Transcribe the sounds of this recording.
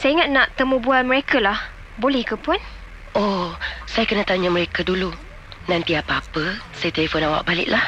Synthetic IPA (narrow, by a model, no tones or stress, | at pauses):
sajiŋat̪̚nãʔt̪əmũbualməɾekʰalah | bolɛhkəpuan | osajakənãt̪aɲaməɾekadulu | nãnt̪iapaapəsajat̪elefɔnawa̰ʔ̚balɪ̰ʔ̚lah